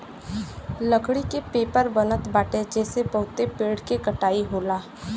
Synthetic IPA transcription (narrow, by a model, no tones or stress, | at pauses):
ləkɽikepeːpəɾbənət̪baːʈed͡ʒɛːsepəɦʊt̪epeːɽkekəʈaːiɦoːlaː